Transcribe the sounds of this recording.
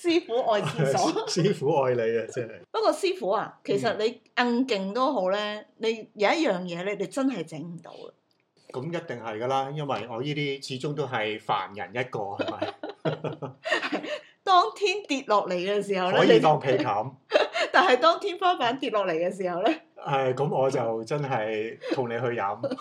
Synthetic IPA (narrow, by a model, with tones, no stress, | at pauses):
siː˥fuː˨˥ʔɔː˨˧jiːsɔː˨˥siː˥fuː˨˥ɔː˨jle˨˧jɐ˧t͡sɛ˥hɐ˨jpɐ˥kɔː˧siː˥fuː˨˥a̰ː˨kʰe˨˩s̬ɐ˨t̚le˨˧jʔɐ˧ŋkɪ˨ŋt̪o˥wɦo˨˥wlɛː˥ne˨˧jjɐ˨˧wjɐ˥t̚jœː˨ŋjɛː˨˧lɛ˥le˨˧jt͡sɐ˥nɦɐ˨jt͡sɪ˨˥ŋm̩˨˩t̪o̰˧wɐ̰˨ | kɐ˨˦mjɐ˥t̚t̪ɪ˨ŋhɐ˨jɡɐː˧laː˥jɐ˥nwɐ̰˨jɔː˨˧jiː˥t̪iː˥t͡sʰiː˨˥t͡sʊ˥ŋt̪o˥wɦɐ˨jfa̰ː˨˩njɐ̰˨˩njɐ˥t̚kɔː˧hɐ˩˨˩mɐ˨˩j | hɐ˨j | t̪ɔː˥ŋt̪ʰiː˥nt̪iː˨t̚lɔː˨k̚le˨˩jkɛː˧siː˨˩hɐ˨wlɛː˨˥ji˨˧t̪ɔː˧˥ŋpʰe˨˧jkʰɐ˨˥mt̪aː˨nhɐ˨jt̪ɔː˥ŋt̪ʰiː˥nfaː˥paː˨˥nt̪iː˨t̚lɔː˨k̚le˨˩jkɛ˧s̬iː˨˩hɐ˨wlɛː˥ | ɐ˨˧jkɐ˨˧˥mɔː˨˧t͡sɐ˨wt͡sɐ˥nɦɐ˨jt̪ʰʊ˨˩ŋne˨˧jɦɵ˧ɥjɐ̰˨˥m